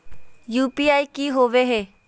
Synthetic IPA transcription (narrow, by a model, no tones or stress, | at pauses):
juːpiajkiɦoʋeɦe